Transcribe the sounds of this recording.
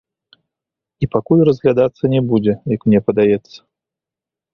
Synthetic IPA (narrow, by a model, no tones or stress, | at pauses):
ipakulʲrɐzɣlʲad̪at̪sːɐnʲɛbud͡zʲɛjɐkmnʲɛpɐd̪ajɛt̪sːɐ̥